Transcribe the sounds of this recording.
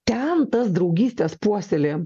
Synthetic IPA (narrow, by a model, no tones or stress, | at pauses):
t̪ʲɛnt̪ɐsd̪ɾɒʊɡʲiːsʲt̪ʲeːspuɔsʲelʲeː